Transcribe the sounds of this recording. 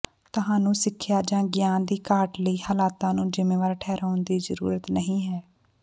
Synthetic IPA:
t̪ʊɦaːnũːsɪkʰːjaːd͡ʒãːɡɪjaːnd̪iːkaːʈləiːhaːlaːt̪ãːnũːd͡ʒɪmẽːʋaːɾʈʰɛːɾaːʊnd̪iːzəɾṵːɾət̪nəɦĩːɦɛː

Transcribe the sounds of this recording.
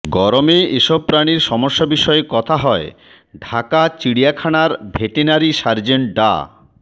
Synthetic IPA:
ɡɔɾomeeʃɔb̚pɾaniɾʃɔmoʃːobiʃɔekɔt̪ʰaɦɔe | ɖʱakat͡ɕiɽijakʰanaɾbʱeʈinaɾiʃaɾd͡ʑeɳʈ̚ɖa̰

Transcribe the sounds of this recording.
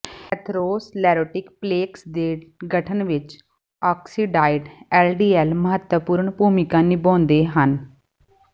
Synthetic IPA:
ɛt̪ʰɾoːslɛːɾoːʈɪkpleːksd̪eːɡəʈʰənʋɪt͡ʃ | ɔːksiːɖaːɪɖɛːlɖiːɛːlməɦət̪ːəpuːɾəɳpuːmɪkãːnɪbɔ̃ːnd̪eːɦən

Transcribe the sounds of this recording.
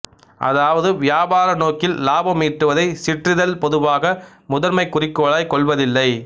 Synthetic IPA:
ʔɐ̰ðaːʋɐðɯʋɪjaːbaːɾɐnoːkɪlːaːbɐmiːʈɾɯʋɐðɐɪsɪʈrɪðɐlpɔðɯʋaːɣɐ | mʊðɐɾmɐɪkːʊrɪkːoːɭaːjkɔɭʋɐðɪlːɐɪ

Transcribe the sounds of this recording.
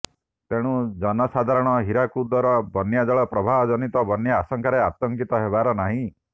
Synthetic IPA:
t̪eɽ̃ũd͡ʒɔnɔsad̪ʱaɾɔɽ̃ɔɦiɾakud̪ɔɾɔbɔnjad͡ʒɔɭɔpɾɔbʱaɦɔd͡ʒɔnit̪ɔbɔnjaːsɔŋkʰaɾeat̪ɔŋkit̪ɔɦebaɾɔnaɦĩ

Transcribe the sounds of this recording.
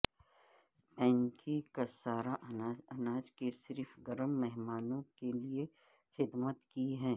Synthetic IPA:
bɛ̃ːŋkʰikasaːɾaʔɐnaːd͡ʒkesɪɾfɡɐɾəmːɛɦmaːnõkelie | xɪd̪mət̪kiɦɛ̃ː

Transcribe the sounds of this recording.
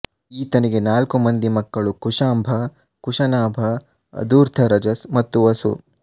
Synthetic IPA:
iːt̪ɐniɡe̞naːlkumɐnd̪imɐkːɐɭukuʂaːmbʱɐ | kuʃɐnaːbʱɐ | ɐ̰d̪uːɾt̪ʰɐɾɐd͡ʒɐsmɐt̪ːuʋɐsṵ

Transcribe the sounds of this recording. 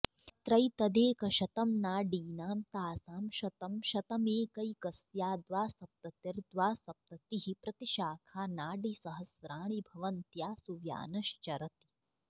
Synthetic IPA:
t̪ɾɐjt̪ɐd̪eːkɐʃɐt̪ɐmnaːɖiːnaːmt̪aːsaːmʃɐt̪ɐmʃɐt̪ɐmeːkɐjkɐsjaːd̪ʋaːsɐp̚t̪ɐt̪iɾd̪ʋaːsɐp̚t̪ɐt̪iɦipɾɐt̪iʃaːkʰaːnaːɖisɐɦɐsɾaːɳ̃ibʱɐʋɐnt̪jaːsuʋja̰ːnɐʃt͡ʃɐɾɐt̪i̥

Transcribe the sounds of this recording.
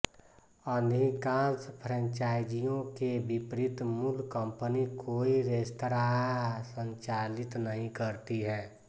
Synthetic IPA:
ənɦĩkaːnspʰɾə̃ɲt͡ʃaːjd͡ʒijõkebɪpɾɪt̪mulkə̃mpənikoːiɾest̪ɾaːsə̃ɲt͡ʃaːlɪt̪nəɦĩkəɾt̪iɦɛː

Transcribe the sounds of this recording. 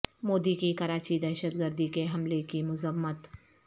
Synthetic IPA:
moːd̪ikikɐɾaːt͡ʃid̪ɛːʃət̪ɡəɾd̪ikeɦɐmlekimʊzəmːət̪

